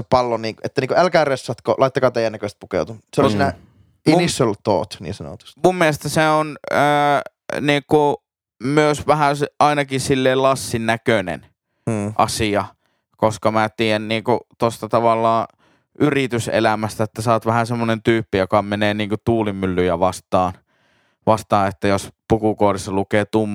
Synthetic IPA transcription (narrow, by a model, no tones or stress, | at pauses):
sepɑlːoniːŋket̪ːæniːŋkoælkæːresːɑt̪ko̰lɑit̪ːɑkɑːt̪eˑijˑænːækøˑst̪̚pukḛut̪useollsinæ | inisːolt̪o̰ːt̪nḭːnsɑno̰t̪u̥st̪mumːielest̪æseonəː | niːŋku | myøsʋæhæsʔɑinɑkisilːeːlɑsːinːækønḛnː | ʔɑ̰siɑ | koskɑmæt̪iːjænniːŋkut̪ost̪ɑt̪ɑʋɑlːɑː | ʔyrit̪ysḛlæmæst̪æet̪ːæsɑːt̪ʋæhænsemːonent̪yːpːijokɑmeneːniːŋkut̪uːlimːylːyjæʋɑst̪ˑɑːn | ʋɑst̪ɑːʔet̪ːæjospukukoːrisːɑlukeːt̪umː